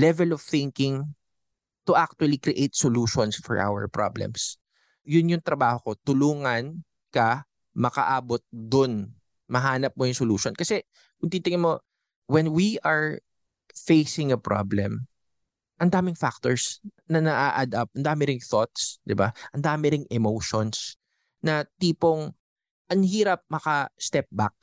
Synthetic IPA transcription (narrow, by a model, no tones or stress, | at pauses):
lɛvɛlɔv̥θɪŋkɪŋ | t̪ʊʔak̚t̪ʊɐlikɾɪʔejt̪̚soluːʃɔnsfɔ̰ɹʔa̰wɛ̰ɹpɹa̰blɛ̰ms | jʊnjʊŋt̪ɾɐbaːhoko̞t̪ʊluːŋɐn | kɐ | mɐkɐ̰ʔaːbot̪̚d̪ʊn | mɐɦaːnɐp̚mojʊŋsʊluːʃonkɐsɛ | kʊnt̪iːt̪ɪŋɐnmo̞ | wɛnwiʔɐɹ | fejsɪŋɐpɹa̰blɛ̰m | ʔɐnd̪aːmɪŋfak̚t̪oɹsnɐnɐʔaʔɐd̪ap̚ʔɐnd̪aːmɪɾɪŋθot̪̚sd̪ɪbaʔɐnd̪aːmɪɾɪŋʔɛmowʃons | nɐt̪iːpoŋ | ʔɐŋhiːɾɐp̚mɐkɐst̪ɛp̚ba̰k̚